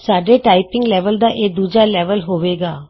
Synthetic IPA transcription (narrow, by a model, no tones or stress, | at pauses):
saːɖeːʈaːɪpɪ̃ŋɡlɛːʋəld̪aːʔeːd̪uːd͡ʒaːlɛːʋəlɦoːʋeːɡaː